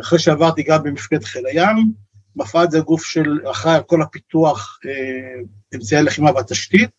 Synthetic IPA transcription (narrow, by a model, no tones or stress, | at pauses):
aχʁeʃeavaʁt̪iɡambemifket̪χelajamː | afalzeɡufʃelaχejko̞lapit̪uaχe | emsajeleχimavat̪aʃt̪it̪̚